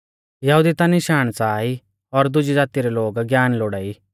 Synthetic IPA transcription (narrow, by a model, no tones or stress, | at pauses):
jɐɦud̪it̪anɪʃaːɽ̃t͡saːi | ɔɾd̪ʊd͡ʒid͡zaːt̪iɾɛloːɡɡjaːnloːɽaːi